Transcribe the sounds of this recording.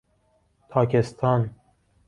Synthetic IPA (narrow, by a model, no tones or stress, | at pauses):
pʰɑːkʲest̪ʰɑːn